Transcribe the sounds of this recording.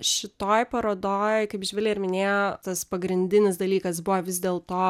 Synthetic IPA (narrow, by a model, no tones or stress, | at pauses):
ʃʲɪt̪oːjpɐɾoːd̪oːjjkɐɪpʒʲʋʲɛlʲɪːɪɾmʲɪnʲeːjot̪ɐspɐɡɾʲɪnʲd̪ʲɪnʲɪsd̪ɐlʲiːkɐs̬bʊʋɐʋʲɪzʲd̪ʲeːlˠt̪oː